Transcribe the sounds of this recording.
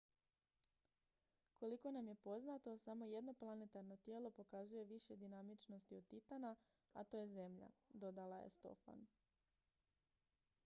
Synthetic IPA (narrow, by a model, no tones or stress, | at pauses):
kʰo̞liko̞namje̞po̞znat̪o̞samo̞je̞d̪no̞plˠanet̪aɾno̞t̪je̞ːlˠo̞po̞kazuje̞ʋiʃe̞d̪inamit͡ʃno̞st̪iod̪̚t̪ːit̪ana | at̪o̞je̞ze̞mʎa̰d̪o̞d̪alajḛst̪o̞̰fa̰n